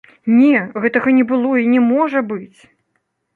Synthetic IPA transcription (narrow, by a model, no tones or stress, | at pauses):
nʲɛɣɛt̪ɐɣɐnʲɛbɨlˠɔinʲɛmɔʐɐbɨt͡sʲ